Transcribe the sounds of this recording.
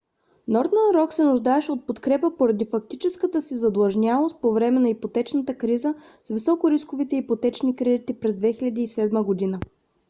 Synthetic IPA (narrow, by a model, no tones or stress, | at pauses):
nɔɾd̪noɾɔksɛnʊʒd̪aɛʃɛot̪̚pot̪kɾɛpəpoɾɐd̪ifɐk̚t̪it͡ʃɛskət̪əsizɐd̪lˠɐʒnʲalˠost̪̚povɾɛmɛnɐipot̪ɛt͡ʃnət̪əkɾizə | svisɔkoɾiskovit̪ɛipot̪ɛt͡ʃnikɾɛd̪it̪ipɾɛzd̪vɛxilʲɐd̪iːsɛd̪məɡod̪inə